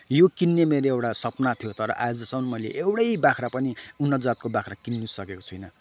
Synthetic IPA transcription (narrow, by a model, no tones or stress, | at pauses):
jokinːemeɾoewʈasʌpnat̪ʰijot̪ʌɾʌ̰ʔajod͡zʌsʌmʌnmʌjlḛʔewɽʌjbakʰrapʌniunːʌt̪d͡zat̪̚kobakʰrakinːusʌkeko̥t͡sʰujnʌ